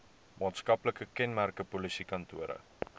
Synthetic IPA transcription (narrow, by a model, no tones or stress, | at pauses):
mɑːtskɐpləkəkɛnmærkəpolisikɐntuəɾə̰